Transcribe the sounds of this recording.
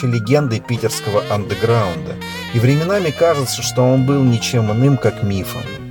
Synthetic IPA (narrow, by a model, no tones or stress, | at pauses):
ɪlʲɪɡʲe̞nd̪ɨpʲitʲɪrskəvəʔɐnd̪əɡɾaʊnd̪ə | ivɾʲɪmʲɪnamʲɪkaʐɨt̪səʂt̪o̞o̞nbɨlˠnʲɪt͡ɕe̞mɨnɨmkakmʲifə̰m